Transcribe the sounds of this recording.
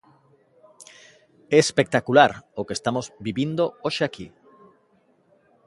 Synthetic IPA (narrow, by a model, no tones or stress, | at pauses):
eespek̚t̪akulaɾokest̪amozbiβind̪ooʃeaki